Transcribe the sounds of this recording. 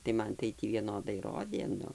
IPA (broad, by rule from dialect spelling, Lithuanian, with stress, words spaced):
tɐɪ ˈmɐn tɐɪ ˈtʲiː ʋʲiɛˈnoːdɐɪ ˈroːdʲeː ˈnʊ